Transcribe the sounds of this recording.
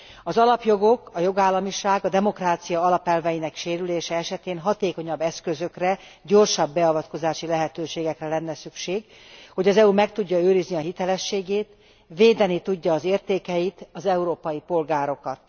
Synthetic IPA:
ɒzɒlɒpjo̞ɡo̞kɒjo̞ɡaːlːɒmiʃaːɡɒd̪ɛmo̞kraːt̪sijɒɒlɒpɛlvɛjinɛkʃeːɾyleːʃɛɛʃɛt̪eːnɦɒt̪eːko̞ɲɒbːɛskøzø̞krɛɟo̞rʃɒbːɛɒvɒt̪ko̞zaːʃilɛɦɛt̪øːʃeːɡɛkrɛlɛnːɛsykʃeːɡ | ho̞ɟɒzɛumɛkt̪uɟːɒøːɾizniɒɦit̪ɛlɛʃːeːɡeːt̪ | veːd̪ɛnit̪uɟːɒːzeːrt̪eːkɛjit̪ɒzɛuɾoːpɒjipo̞lɡaːɾo̞kɒt̪̚

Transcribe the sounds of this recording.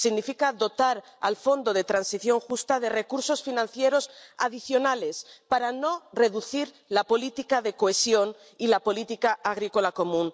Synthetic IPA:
siɣnifikaðo̞t̪aɾa̰lfo̞nd̪o̞ð̞e̞t̪ɾansiθjo̞ŋxust̪aðe̞re̞kuɾso̞sfinãnθje̞ɾo̞sa̰ðiθjo̞nale̞spaɾano̞re̞ðuθiɾ | lapo̞lit̪ikaðe̞koesjo̞n | ilapo̞lit̪ikaaɣ̞ɾiko̞lako̞mũn

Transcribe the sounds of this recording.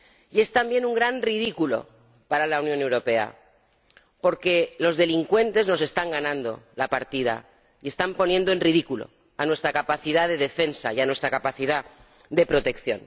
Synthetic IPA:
ie̞st̪ambje̞nuŋɡɾanrið̞ikulo̞̰ | paɾalawnjone̞wɾo̞pe̞a̰ | po̞ɾke̞lo̞zðe̞liŋkwe̞nt̪e̞zno̞s̬e̞st̪aŋɡanãnd̪o̞̰lapaɾt̪ið̞a̰ | ie̞st̪ampo̞njẽ̞nd̪oe̞nriðikulo̞̰ | anwe̞st̪ɾakapaθiðaðe̞ðe̞fe̞nsa̰ianwe̞st̪ɾakapaθiða | ðe̞pɾo̞t̪e̞kθjo̞̰n

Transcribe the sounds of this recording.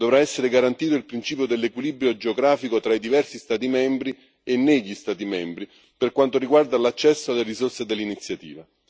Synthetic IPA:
d̪ovɾaɛsːeɾeɡaɾant̪iːt̪oilpɾint͡ʃiːpjod̪elːekwilibɾjod͡ʒeoɡɾaːfikot̪ɾaid̪ivɛrsist̪aːt̪imɛmbɾi | enːeʎːist̪aːt̪imɛmbɾi | perkwant̪oriɡward̪alat͡ʃːɛsːoalːeɾisorsed̪elːinit̪sːjat̪ḭːva

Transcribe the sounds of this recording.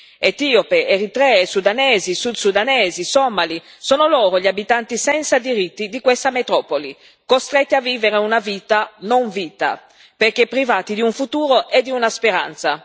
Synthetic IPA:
et̪iːopeeɾit̪ɾɛesud̪anɛːzisud̪sud̪anɛːzisɔmːali | soːnolɔːɾoʎiabit̪ant̪isɛnt̪sad̪iɾit̪ːid̪ikwest̪amet̪ɾɔːpoli | kost̪ɾɛt̪ːiavːiːveɾeunaviːt̪anoɱviːt̪a̰ | perkepːɾivaːt̪id̪iuɱfut̪uːɾoʔed̪ːiunaspeɾa̰nt̪sa

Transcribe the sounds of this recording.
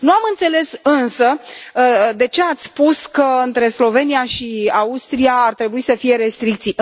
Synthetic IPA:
nuamɨnt̪se̞le̞sɨnsə | d̪e̞t͡ʃe̞at̪sʲspuskəɨnt̪ɾe̞slo̞ve̞nijaʃiaust̪ɾijaːrt̪ɾe̞buisəfije̞ɾe̞st̪ɾik̚t̪si

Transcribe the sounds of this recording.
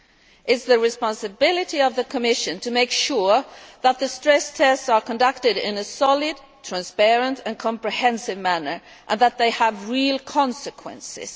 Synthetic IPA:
ʔɪzðɨɹɨspɑ̃nsɨbɪlˠɨɾiʌvðɨkʰəmɪʃɨ̃ntʰɨmeɪkʃʊɹðət̪̚ðɨstɹ̥ɛstʰɛstsə˞kʰə̃ndʌk̚tɨɾɪ̰̃nɨsɑlˠɪd̚ | tʰɹ̥æ̃nspɛɹɨ̃ntɨ̃nkʰɑ̃mpɹɨhɛ̃nsɨvmænə˞ʔə̃nðət̪̚ðeɪəvɹilˠkʰɑ̃nsɨkʰwɛ̰̃nsɪ̰z̥

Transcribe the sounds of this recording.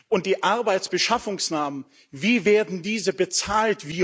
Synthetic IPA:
ʔʊnt̚d̥iːʔaɐbaɪt͡sb̥əʃafʊŋsnaːmən | viːveːɐdn̩diːzəbət͡saːltv̥iː

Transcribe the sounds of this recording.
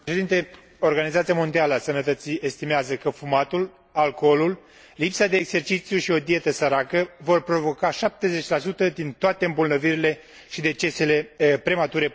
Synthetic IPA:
pʃe̞d̪int̪e̞ | o̞rɡanizat̪siamo̞nd̪ialəasənət̪ət̪sie̞st̪imeazəkəfumat̪ul | alko̞lul | lipsad̪e̞ːkse̞rt͡ʃit̪sijuʃio̞d̪ie̞t̪əsəɾakəvo̞rpɾo̞vo̞kaʃap̚t̪e̞ze̞t͡ʃʲlasut̪əd̪int̪oat̪e̞ɨmbolnəviɾile̞ | ʃid̪e̞t͡ʃe̞se̞le̞pɾe̞mat̪uɾe̞

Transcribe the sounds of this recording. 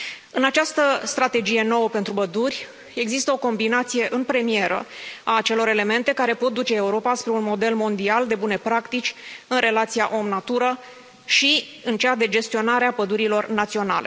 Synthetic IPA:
ɨnat͡ʃast̪əst̪ɾat̪e̞d͡ʒije̞no̞wəpe̞nt̪ɾubəd̪urʲ | e̞ɡzist̪əo̞ko̞mbinat̪sije̞ʔɨnpɾe̞mie̞ɾə̰aːt͡ʃe̞lo̞ɾe̞le̞me̞nt̪e̞kaɾe̞po̞t̪̚d̪ut͡ʃe̞ːuɾo̞paspɾe̞unmo̞d̪e̞lmo̞nd̪iald̪e̞bune̞pɾakt̪it͡ʃʲɨnɾe̞lat̪sijaʔomnat̪uɾə | ʃiɨnt͡ʃead̪e̞d͡ʒe̞st̪io̞naɾeapəd̪uɾilo̞rnat̪sio̞na̰le̞

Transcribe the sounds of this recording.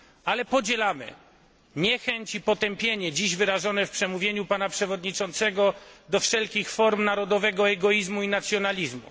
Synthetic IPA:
alɛpɔd͡ʑɛlamɘ̰ | ɲɛxɛɲt͡ɕipɔt̪ɛmpʲjeɲɛd͡ʑiʑvɘɾaʐɔnɛfpʂɛmuvʲjeɲupanapʂɛvɔd̪ɲit͡ʂɔnt̪sɛɡɔd̪ɔfʂɛlkʲixfɔɾmnaɾɔd̪ɔvɛɡɔɛɡɔjizmuinat̪sjɔnalʲizmṵ

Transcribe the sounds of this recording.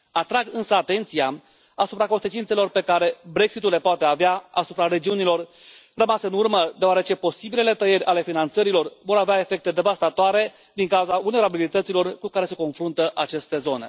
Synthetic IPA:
at̪ɾaɡɨnsəat̪e̞nt̪sia | asupɾako̞nse̞t͡ʃint̪se̞lo̞rpe̞kaɾe̞bɾe̞ksit̪ule̞poat̪e̞aveaa̰supɾare̞d͡ʒiunilo̞rrəmaseɨnurməd̪eoaɾe̞t͡ʃe̞po̞sibile̞le̞t̪əje̞rʲale̞finant̪səɾilo̞rvo̞ɾaveae̞fe̞k̚t̪e̞d̪e̞vast̪at̪oaɾe̞ | d̪iŋkauzaulneɾabilit̪ət̪silo̞rkukaɾe̞se̞ko̞nfɾunt̪əʔat͡ʃe̞st̪e̞zo̞ne̞̰

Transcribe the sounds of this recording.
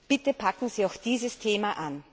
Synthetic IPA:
b̥ɪtəpʰakŋ̩ziːaʊxd̥iːzəstʰeːmaʔan

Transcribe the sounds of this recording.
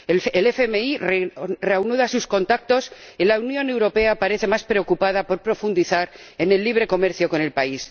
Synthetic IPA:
elefemeirre̞awnuðasusko̞nt̪ak̚t̪o̞silaunjõ̞ne̞wɾo̞pe̞apaɾe̞θe̞maspɾeo̞kupaðapo̞ɾpɾo̞fund̪iθaɾ | e̞ne̞lːiβ̞ɾe̞ko̞meɾθjo̞ko̞ne̞lpais

